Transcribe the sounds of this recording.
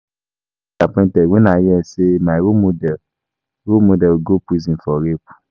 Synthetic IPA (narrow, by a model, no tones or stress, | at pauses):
kapɛ̃tɛwẽnãjɛsemãɾomodɛ | ɾomodɛɡopuzĩfɔɾepu̥